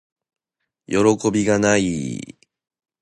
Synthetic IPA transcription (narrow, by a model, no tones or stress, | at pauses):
jo̞ɾo̞ko̞bʲiɡanai